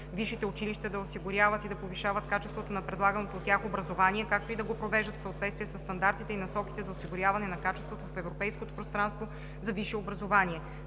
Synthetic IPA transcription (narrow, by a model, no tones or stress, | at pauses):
viʃit̪ɛʊt͡ʃiliʃt̪ɐd̪ɐosiɡʊɾʲjavɐt̪id̪ɐpoviʃavɐt̪kat͡ʃɛst̪vot̪onɐpɾɛd̪lˠaɡɐnot̪oːt̪ːʲjaxobɾɐzovaniɛkak̚t̪oid̪ɐɡopɾovɛʒd̪ət̪fsɐot̪vɛt̪st̪vijɛsɐsːt̪ɐnd̪aɾt̪it̪ɛinɐsɔki̥t̪ɛzɐosiɡʊɾʲjavɐnɛnɐkat͡ʃɛst̪vot̪ofɛvɾopɛjskot̪o̥pɾost̪ɾanst̪vo | zɐviʃɛobɾɐzovaniɛ